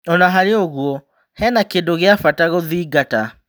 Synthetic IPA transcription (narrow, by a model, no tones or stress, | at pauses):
ɔnaɦaɾeoɣwɔ | hɛnakendoɣeafataɣoðiːɡata